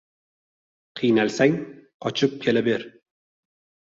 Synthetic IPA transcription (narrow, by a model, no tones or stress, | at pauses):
qʰɨjnalsaŋqʰɒt͡ʃʰɪp̚kʲʰe̞labeɾ